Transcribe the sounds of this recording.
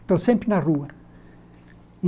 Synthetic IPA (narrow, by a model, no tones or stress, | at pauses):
t̪osẽmpɾinaruɐ